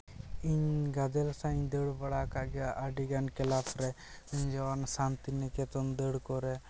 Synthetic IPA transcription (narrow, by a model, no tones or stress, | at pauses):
iɲɡad̪elsãːɲd̪eɽbɐɽaːkaɡaːʔaɖiɡaːnkelaːpʰɾe | iɲd͡ʒɐʋaːnsaːnt̪ineket̪ond̪eɽkoɾe